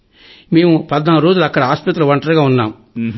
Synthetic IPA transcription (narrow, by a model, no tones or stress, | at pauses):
me̞ːmupɐd̪naːɾo̞ːd͡ʒulɐkːɐɽɐɦaːspɐt̪̬ɾɐlɐʋɐɳʈɐɾɡaːunːaːm